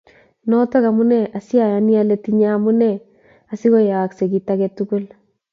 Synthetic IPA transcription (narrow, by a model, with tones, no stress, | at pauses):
nɔ˦tɔ˦ka˨mu˦nɛ˦ʔa˨si˦a˨ja˨ni˦a˦le˦ti˦ɲa˦mu˦nɛ˦˨ | a˨si˦kɔ˦ja˨a˨kse˨kita˦kɛtːuku˦l